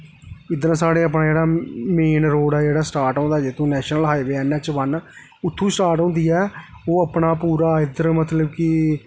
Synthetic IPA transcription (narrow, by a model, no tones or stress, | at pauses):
ɪd̪əɾsaːɽeːəp̬nãːd͡ʒeːɽaːmeːnɾoːɽɛːd͡ʒeːɽaːsʈaːɾʈɔ̃ːnd̪aːd͡ʒɪt̪ʰõːnɛːʃnəlɦaːiʋeːɛːnɛ̃ːt͡ʃʋən | ʊt̪ʰːũːsʈaːɾʈɦõnd̪iːɛː | oːəpɳaːpuːɾaːɪd̪əɾmət̪ləbkɪ